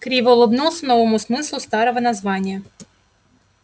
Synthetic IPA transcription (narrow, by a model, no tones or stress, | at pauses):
kɾʲiʋɔlˠɔbnulˠsɐnɔvɔmʊsmɪslˠʊst̪ɑɾɔʋɔnɐzʋɑnʲːɐ